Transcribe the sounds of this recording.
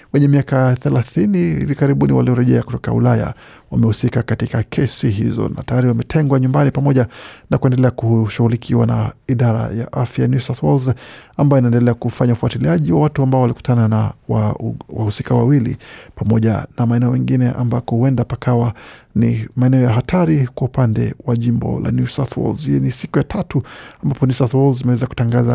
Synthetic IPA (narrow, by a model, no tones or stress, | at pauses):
wɛɲɛmiakaθɛlaθinihḭvikaɾiɓuniwa̰liɔɾɛʄɛaku̥tɔka̰ṵlaja̰ | wamɛhusikakatikakʰɛsiɦizɔ̰na̰tajaɾiwamɛtʰɛŋɡwaɲumbanipamɔʄanakuɛndɛlɛakuʃuɣulikʰiwana̰iɗaɾa̰ja̰ʔafjanjusaθwɔlzambajɔinaɛndɛlɛakufaɲaufuatiliaʄiwawatuambaɔwaliku̥tʰananawawahusikawa̰wilḭpamɔʄa̰namaɛnɛɔmɛŋɡinɛʔa̰mbakɔhuwɛndapakawanimaɛnɛɔjaɦatʰaɾikwaupandɛ̰waʄimbɔ̰lʔa̰njusaθʰwɔ̰lzinisikujatʰatuambapɔnjusat̪wɔlzimɛwɛzaku̥taŋɡaza